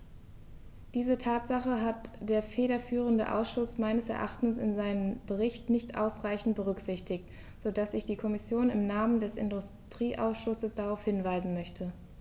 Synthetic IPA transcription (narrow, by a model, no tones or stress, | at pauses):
d̥iːzətʰaːtz̥aχəɦatd̥eːɐfeːdɐfyːʁ̞əndə̰ʔa̰ʊsʃʊsmaɪnəsɛ̰ɐʔaχtn̩sɪ̰nzaɪnənbəʁɪçtnɪçtʔa̰ʊsʁaɪçn̩t̚b̥əʁ̞ʏkz̥ɪçtɪkt | z̥odasɪçd̥iːkʰɔmɪsjoːnɪmnaːməndɛsɪ̰ndʊstʁ̥iːʔa̰ʊsʃʊsəsd̥aʁaʊfhɪnvaɪzn̩mœçtʰə